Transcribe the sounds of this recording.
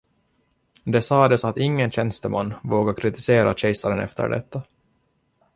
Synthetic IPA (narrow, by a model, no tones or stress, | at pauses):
d̪ɛsɑːd̪ɛsat̪ɪŋːənɕɛnst̪əma̰nːvoːɡakʰɾɪt̪ɪseːɾa̰ɕɛjsaɾənɛ̰ft̪ʰə̰ɖɛ̰t̪ʰːa